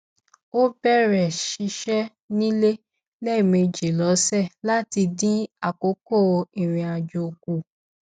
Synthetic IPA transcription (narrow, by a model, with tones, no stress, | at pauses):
o˦bɛ˦˨ɾɛ˨ʃi˧˦ʃɛ˦ | nĩ˦le˦ | lɛ˦˨me˧d͡ʒi˨lɔ˨˦sɛ˦˨la˦ti˧dĩ˦a˦˨ko˨˦ko˦˨˧i˨ɾ̃ĩ˨a˨d͡ʒo˧o˧ku˧˨